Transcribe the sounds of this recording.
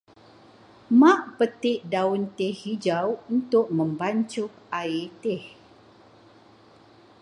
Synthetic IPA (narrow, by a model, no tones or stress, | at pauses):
mãʔpət̪ɪʔdaʊnt̪ɪhid͡ʒawunt̪ʊk̚mə̃mbaɲt͡ʃʊk̚ait̪ɪh